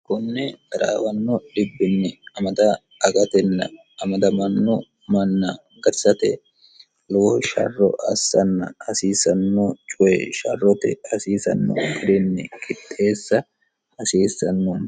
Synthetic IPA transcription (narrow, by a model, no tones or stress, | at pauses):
kʊnːɛd̪ɐɾa̰ːwɐnːɔᶑɪbːɪnːɛɐmɐd̪ɐː | ɡʼɐt̪ɛnːɐ | ɐmɐd̪ɐmɐnːɔ | mɐnːɐ | ɡɐɾsɐt̪ɛ | loʃɐ̰rːɔ̰ʔɐsːɐnːɐɐsiːsɐnːɔt͡ʃʼʊɛʃɐ̰rːɔt̪ɛ̰ɐsiːsɐ̰nːɔ̰ɪɾɪnːɛkʼɪt̪ʼːe̞ːsːɐ | ɐsiːsːɐnːɔn